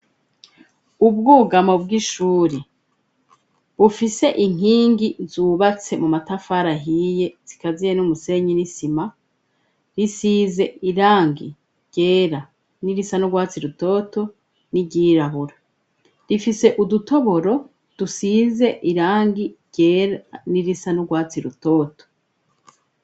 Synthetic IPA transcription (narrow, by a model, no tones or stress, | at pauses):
ub̚ɡuːɡamo̞b̚ɡiʃuːɾe | bufise̞ʔiŋ̥iːŋɡizuːβat͡se̞mumatafaɾaɦije̞z̥ikazijenumuse̞ɲinisima | ɾisize̞iɾaːŋɡi | ɾɟ̥e̞ːɾa | niɾisanuɡwaːt͡siɾuto̞ːto̞ | niɟiːɾaβuɾa | ɾifise̞ʔuduto̞βo̞ɾo̞ | d̥usiːze̞ʔiɾaːŋɡiɾɟ̥e̞ːɾaniɾisanuɡwaːt͡siɾuto̞ːto̥